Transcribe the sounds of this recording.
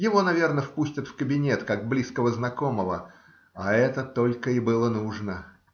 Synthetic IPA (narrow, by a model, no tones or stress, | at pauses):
jɪvo̞nɐvʲe̞rnəfpusʲtʲət̪fkəbʲɪnʲet̪kaɡ̚blʲiskəvəznɐko̞məvə | aɛt̪ət̪o̞lʲkəɪbɨlˠənuʐnə